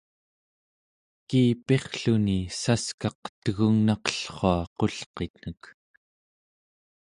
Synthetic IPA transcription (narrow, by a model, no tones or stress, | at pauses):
kiːpe̞χɬunisaskɑq̚t̪əɣuŋnɑqə̥ɬχoɑqo̞ɬqet̪nək